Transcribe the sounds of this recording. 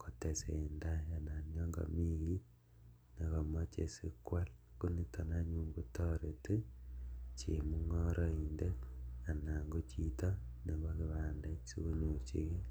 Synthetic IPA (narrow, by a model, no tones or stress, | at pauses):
kotesendajananoŋɡo̰miɣi | neɣamot͡ʃḛsikwal | kunitonaɲuːŋɡutoɾete | t͡ʃḭmuŋoɾoindeanaŋɡot͡ʃitoneβokiβaːndaiɲut͡ʃḭɣe